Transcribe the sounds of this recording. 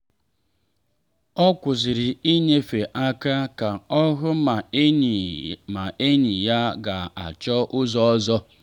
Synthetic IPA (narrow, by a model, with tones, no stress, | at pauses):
ɔ˦kʷʊ˨zɪ˨ɾɪ˨i˦ɲe˦fe˨ʔa˦ka˦ka˨ɔ˦ɦʊ˦˨ | ma˨ʔe˦ɲi˨ja˦ɡa˨a̰˨t͡ʃɔ˦ʔʊ˦zɔ˦ɔ˦zɔ˦